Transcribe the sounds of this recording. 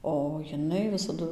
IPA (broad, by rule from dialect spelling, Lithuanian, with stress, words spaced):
oː jɪˈnɐɪ ʋʲɪsɐˈdʊ